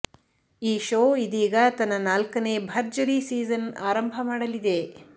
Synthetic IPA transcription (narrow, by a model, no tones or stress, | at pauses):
iːʃoːid̪iːɡɐt̪ɐnːɐnaːlkɐne̞ːbʱɐɾd͡ʒɐɾiːsiːzɐna̰ːɾɐmbʱɐmaːɽɐlid̪e̞